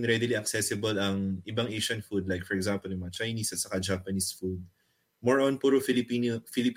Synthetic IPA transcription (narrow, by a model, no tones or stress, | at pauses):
ŋɾɛd̪ɪliɐksɛsɪbɐlɐŋʔɪbaŋʔejʃɐnfud̪̚lajkfɔɹɛɡzampɔljʊŋmɐŋat͡ʃajnisʔɐt̪sɐkad͡ʒapɐnisfud̪̚ | mɔɹʔonpuːɾofilɪp